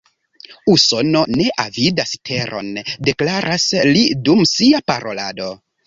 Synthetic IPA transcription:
uso̞no̞ne̞ʔavidastʰe̞ɾʔo̞̰nde̞klaɾʔaslidumsiapaɾo̞la̰do̞

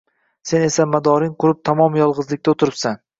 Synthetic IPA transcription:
se̞ne̞samad̪ɒɾɪŋqʰʊɾɪp̚t̪ʰamɒmjɒlˠʁɨzlɪk̚ʲt̪aot̪ʰɪɾɪpsan

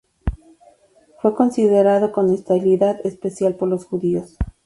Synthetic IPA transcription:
fwe̞ko̞nsiðeɾaðoko̞nest̪aβiliðaðespe̞sjalpo̞ɾlo̞sxuðio̞s

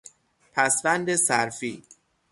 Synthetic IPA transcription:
pʰæsvænd̪esæɾfiː

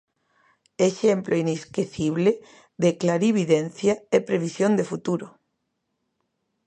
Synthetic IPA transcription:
eʃemplʔoineskeθiβle | ðeklaɾiβiðen̟θjaepɾeβ̞isjond̪efut̪uɾo

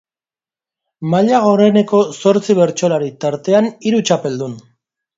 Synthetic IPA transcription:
maʎaɣo̞re̞ne̞ko̞so̞ɾt͡siβ̞e̞ɾt͡ʃolaɾit̪aɾt̪e̞aniɾut͡ʃape̞ld̪un

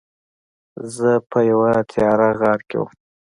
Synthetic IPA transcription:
zəpʰəjawat̪ʰjɑɾaɣɑɾkḛwṵm

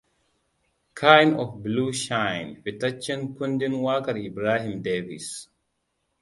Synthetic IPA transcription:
kʰajnɔfbluːʃãjnfitɐt͡ʃːə̃nkundinwaːkɐɾibɾaːɦimdevḭs

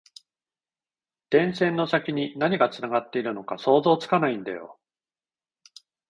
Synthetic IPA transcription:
d̪̥ẽ̞ɰ̃sẽ̞nːo̞sakʲiɲ̟inaɲ̟iɡat͡sɨnaɡat̪ːe̞iɾɯ̟no̞kaso̞ːzo̞ːt͡sɨ̥kanaĩnd̪a̰jo̰

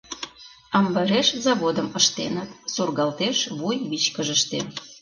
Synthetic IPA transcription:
ɑmbɑɾeʃzɑβod̪əməʃt̪ḛnət̪surɣɑlt̪eʃβujβit͡ɕkəʒəʃt̪e

